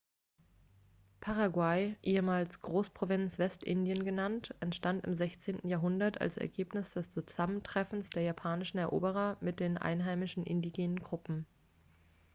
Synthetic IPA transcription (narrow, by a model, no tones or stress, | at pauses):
pʰaʁaɡwaɪʔeːəmaːlsɡ̥ʁoːspʁ̥ovɪnt͡sv̥ɛstʔɪndijənɡənantʔɛntʃtantɪ̰mzɛçt͡seːntn̩jaːɐɦʊndɐta̰lsɛ̰ɐɡeːpnɪsd̥ɛst͡suz̥aməntʁ̥ɛfn̩sd̥eːɐjapʰaːnɪʃn̩ɛɐʔo̰ːbəʁ̞ɐmɪt̚d̥eːnʔa̰ɪnɦaɪmɪʃn̩ʔɪndiɡeːnənɡʁʊpm̩